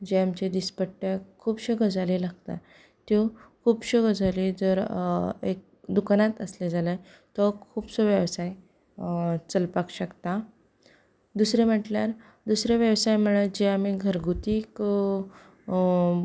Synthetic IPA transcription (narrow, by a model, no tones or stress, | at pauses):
d͡ʑeamt͡ɕed̪ispəʈːakʰuːbɕəɡəd͡zalilaɡt̪a̰ | t̪jokʰuːbɕəɡəd͡zalid͡zəɾek̚d̪ukanat̪əsled͡zʱaləj | t̪ɔkʰuːbsɔʋjəʋsaj | t͡səlpakɕəkt̪a | d̪usɾem̤əʈljaɾ | d̪usɾeʋjəʋsajm̤əɭed͡ʑeamiɡʱəɾɡut̪iːk